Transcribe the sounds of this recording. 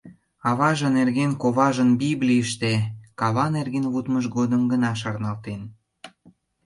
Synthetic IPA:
ɑβɑʒĕnerɣenkoβɑʒənbiblʲijəʃt̪ekɑβɑnerɣenβut̪məʃɡod̪əmɡənɑʃ̬ɑrnɑlt̪en

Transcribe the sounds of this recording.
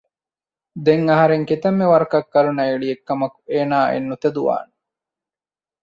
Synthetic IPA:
d̪eŋɐɦɐɾeŋkit̪ɐmːeʋɐɾɐkɐkːɐɾunɐeɭiekːɐmɐku̥eːnaːḛnːut̪ed̪uʋa̰ːne

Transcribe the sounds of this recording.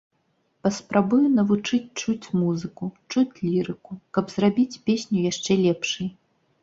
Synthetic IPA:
pɐspɾabujunɐvut͡ʂɨt͡sʲt͡ʂut͡sʲmuzɨkut͡ʂut͡sʲlʲiɾɨkukɐbzrabʲit͡sʲpʲesʲnʲujaʂt͡ʂɛlʲɛpʂɨj

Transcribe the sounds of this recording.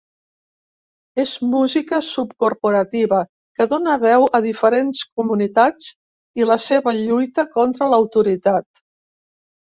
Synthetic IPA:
ezmuzikəsupkuɾpuɾət̪iβə | kəðonəβɛwəðifəɾensk̚umunit̪at͡s | iləseβəʎujt̪əkɔnt̪ɾələwt̪uɾit̪at̪̚

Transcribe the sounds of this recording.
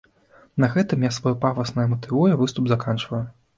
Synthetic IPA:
nɐɣɛt̪ɨmjasvɔjupavɐsnɐjɐmɐt̪ɨvujɐvɨst̪ubzakant͡ʂvɐju

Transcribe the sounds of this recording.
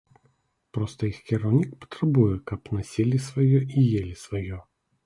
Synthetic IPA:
pɾɔst̪əixkʲɪɾɐwnʲik̚pə̥t̪ɾɐbujɛkɐpnɐsʲilʲisvɐjɔʔijelʲɪsvɐjɔ

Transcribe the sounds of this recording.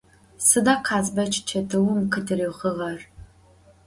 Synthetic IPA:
sɨdaːqʰaːzbɐt͡ʃʰt͡ʃʰɐdɨwʊmkʰɨdɨriwʁəʁɐr

